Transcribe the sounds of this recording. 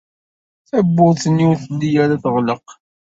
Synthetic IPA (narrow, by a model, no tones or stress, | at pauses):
θæbːʊðˤθənjʊɾθəlːijæɾaθəʁləq